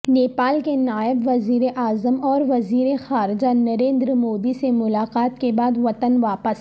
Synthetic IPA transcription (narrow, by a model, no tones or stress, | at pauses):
neːpaːlkenaːɪbʋɐziːɾeʔaːzəmɔːɾʋɐziːɾexaːɾɪd͡ʒanɐɾẽːnd̪ɾmoːd̪isemʊlaːqaːt̪kebaːd̪ʋɐt̪ənʋaːpəs